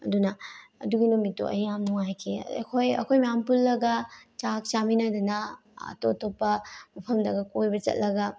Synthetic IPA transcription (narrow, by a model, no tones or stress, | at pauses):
ɐ̰dunɐɐduɡinomito̰ʔɐ̰jamnuŋajkʰeɐ̰kʰojɐ̰kʰojmjampulːɐɡɐt͡ʃak̚t͡ʃaminɐdɐnɐ̰ː | totʰopːɐmɐpʰɐmdɐɡɐkojbɐt͡ʃɐ̰t̚lɐɡɐ